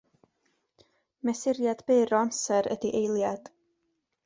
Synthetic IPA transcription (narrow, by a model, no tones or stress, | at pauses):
mɛsɪɾjad̥beːɾɔamsɛɾə̰diʔejlˠjad̥